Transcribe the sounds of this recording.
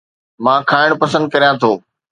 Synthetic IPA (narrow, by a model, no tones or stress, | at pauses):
mãːkʰaːɪɽ̃pɐsə̃nd̪̚kɐɾijãt̪ʰoː